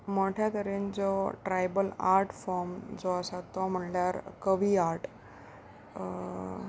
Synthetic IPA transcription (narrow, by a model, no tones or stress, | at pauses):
mɔʈʰjat̪əɾend͡zɔʈɾajbəlaɾʈʰfɔɾmd͡zɔəsat̪ːɔm̤əɳljaɾkəʋiaɾʈ